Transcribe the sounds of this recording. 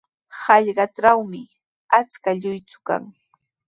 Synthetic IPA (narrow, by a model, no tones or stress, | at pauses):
hɑʎɢɑʈ͡ʂawmɪ | at͡skaʎʊjt͡sʊ̥ka̰ŋ